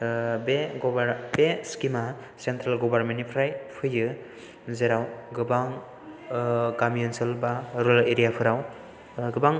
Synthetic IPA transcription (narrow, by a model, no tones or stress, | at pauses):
beɡɔbaɾbeskima | sentɾalɡɔbaɾmenipʰɾajpʰɯjɯ | zeɾawɡɯbaŋ | kamijunsɯlbaɾoleɾijapʰɯɾaw | ɡɯbaŋ